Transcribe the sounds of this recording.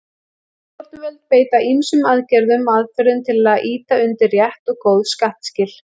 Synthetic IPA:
kɔɾ̥t̪nvɛlt̪̚peːjt̪aʔimsʏmaðcɛɾðʏmaðfɛɾʏmt̪ʰɪlaðʔiːt̪aʏnt̪ɪɾːjɛht̪ɔɣkowðskaht̪scɪl̥

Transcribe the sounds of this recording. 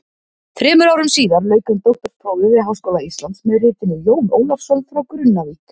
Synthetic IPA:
θɾɛːmʏɾaːwɾʏmsiːðaɾlœːɥkʏmt̪owht̪ɔɾ̥spʰɾoːwvɪvɪðɦaːwskowlaist̪lant̪smɛðrɪːt̪ɪnːʏjoːwnʔoːwlafsɔnfɾawkɾʏnːavit̪

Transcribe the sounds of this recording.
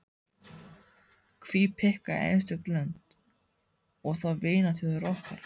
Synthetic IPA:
kʰviːpʰɪhkaḛjnst̪ʏklœnt̪ | ɔɣθaveːjnaθʏðrɔhka̰ɾ̥

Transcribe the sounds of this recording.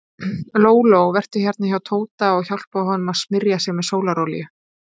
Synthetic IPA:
loːwlowvɛr̥t̪ʏ̥çjɛɾt̪nɪçawt̪ʰoːwt̪aɔɣçawl̥paɦɔnʏmaðsmɪɾjasjɛɣmɛðsoːwlaɾowlḭjʏ

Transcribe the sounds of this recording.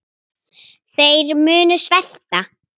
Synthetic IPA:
θejɾmʏːnʏsvɛl̥t̪a

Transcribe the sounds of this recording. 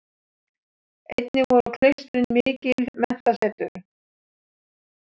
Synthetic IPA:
ejt̪nɪvɔɾʏkʰlejst̪ʏɾɪnmɪːcɪlmɛn̥t̪asɛːt̪ʏɾ

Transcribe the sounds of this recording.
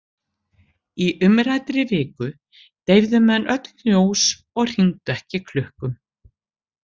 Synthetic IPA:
iʔʏmɾajt̪ɾɪvɪːkʏ | t̪ejvðʏmɛnːʔœt̪nnjoːws | ɔɣr̥int̪ɛhcɪkʰlʏhkʏm

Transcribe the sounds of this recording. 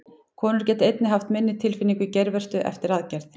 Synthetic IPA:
kʰɔːnʏɾ̥cɛːt̪ɪejt̪nɪɦaft̪mɪnːɪt̪ʰɪlfɪnːiŋkʏcɛjɾvɛr̥st̪ʏʔɛ̰ft̪ɪɾaðcɛɾθ

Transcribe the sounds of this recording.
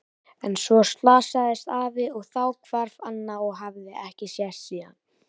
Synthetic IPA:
ɛnsvɔst̪laːsaðɪst̪aːvɪɔɣθawkʰv̥aɾv̥anːaɔɣɦavðɪʔɛhcɪsjɛr̥t̪siːan

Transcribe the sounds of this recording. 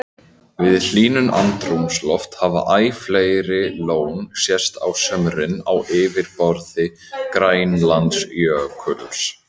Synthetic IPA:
vɪðl̥iːnʏnʔa̰nt̪ɾumslɔft̪hava̰ʔaːjfleːjɾɪloːwnsjɛst̪a̰wsœmɾɪnawʔɪːvɪɾpɔɾðɪ | kɾaːjnlant̪sjœkʰœls

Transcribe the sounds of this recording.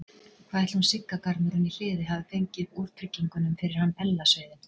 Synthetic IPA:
kʰvaːɛht̪hunsɪkːakaɾt̪nʏɾɪnil̥ɪːðɪɦavɪfejɲcɪvuɾ̥p̪ʰɾɪcːiŋkʏnʏmfɪɾɪɾ̥hanːɛlːasveːjðɪ

